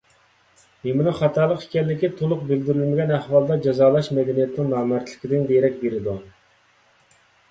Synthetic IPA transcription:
memɪnɨχɑt̪ʰɑːɾlˠəqi̥kʲʰɛlːɪkʲit̪ʰolˠʊq̚bɪld̪yɾylmɪɡʲɛnæhwɑlˠd̪ɑd͡ʒɑzɑːlˠɑʃmɛd̪ɛnijɛt̪nɪŋnɑːmɛɾt̪ʰlɪkʲɪd̪ɪŋd̪eɾɛk̚ʲbeɾɪd̪u

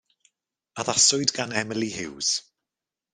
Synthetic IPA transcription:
aðasʊɨdɡanɛməlˠihɪwz̥

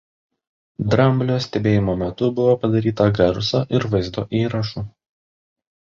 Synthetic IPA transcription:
d̪ɾɐmʲbʲlʲoːsʲt̪ʲɛbʲeːjɪmoːmʲɛt̪ʊbʊʋoːpɐd̪ɐɾʲiːt̪ɐɡɐɾsoːʔɪɾʋɐɪzd̪o̰ːʔiːɾɐʃuː

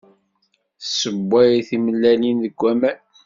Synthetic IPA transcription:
θsəbːæjθiməlːælinðəɡʷːæmæ

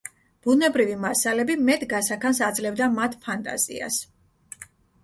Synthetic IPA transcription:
b̥unɛbɾivimasalɛbimɛt̪ʰʼɡasakʰansad̪zlɛvd̪amat̪ʰpʰant̪ʼa̰zḭa̰s

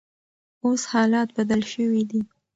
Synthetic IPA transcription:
oshɑlɑt̪̚bad̪alʃəwid̪i

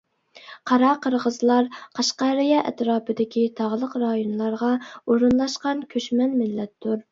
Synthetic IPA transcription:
qʰɑɾɑqʰəɾʁəzlˠɑɾqʰɑʃqɑɾɪjɑʔɛ̰t̪ɾɑːpʰɨd̪ɪkʲit̪ʰɑʁlˠəqɾɑjonlˠɑɾʁɑoɾunlˠɑʃqɑnkʲʰøʃmɛnmɪlːɛt̪ːʊɾ

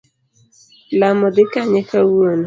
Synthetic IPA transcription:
lamɔdɪkaɲɛkawon

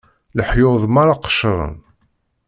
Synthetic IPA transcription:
ləħjoðˤmaɾaqə̥ʃɾˤə̰n

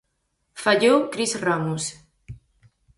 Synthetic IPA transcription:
faʎokɾisramus

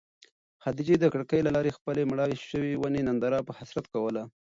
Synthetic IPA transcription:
had̪id͡ʒed̪əkɽəkəjlalɑɾexpəlemɽɑeʃəwiwanenand̪ɑɾɑpəhasɾat̪kawəla

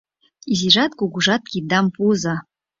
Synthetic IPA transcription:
iziʒɑt̪kuɡuʒɑt̪̚kʲid̪ɑmpuzɤ̆

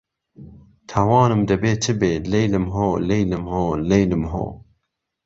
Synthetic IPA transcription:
t̪ʰɐwɑːnɨmd̪ɐbeːt͡ʃʰɨbeːlejlɨmɦoːlejlɨmhoːlejlɨmɦo̰ː

